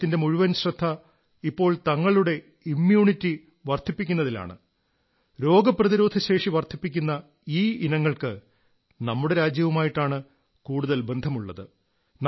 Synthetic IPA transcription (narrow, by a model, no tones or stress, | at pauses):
t̪ːinde̞muɻuʋɐnɕrɐd̪ʰʱːɐ | ipːo̞ːɭt̪ɐŋːɐɭuɽe̞ | imjuːɳitːi | ʋɐrt̪ʰipːikʲːunːɐðila̰ːɳɨ̰ | ɾo̞ːɡɐprɐðiɾo̞ːd̪ʱɐɕe̞ːʂiʋɐrt̪ʰipːikʲːunːɐ | iːinɐŋːɐɭkɨ | nɐmːuɽe̞ɾaːd͡ʑjɐʋumaːjiʈːaːɳɨ | kuːɽuðɐlbe̞nd̪ʱɐmuɭːɐðɨ | n